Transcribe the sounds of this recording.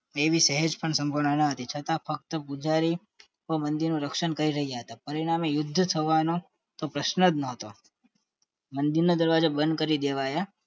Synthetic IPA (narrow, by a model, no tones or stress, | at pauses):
eʋisəɦəd͡ʒpəɳsəmbʱəʋɳənəɦət̪it͡ʃʰət̪ãfək̚t̪əpud͡ʒaɾi | ʋəmənd̪iɾnũɾəkʃəɳkəɾiɾəɦijaɦət̪apəɾiɽ̃amejʊd̪ʱːət̪ʰəʋano | t̪opɾəʃnəd̪nəɦət̪o | mənd̪iɾnod̪əɾʋad͡ʒobənd̪̚kəɾid̪eʋaja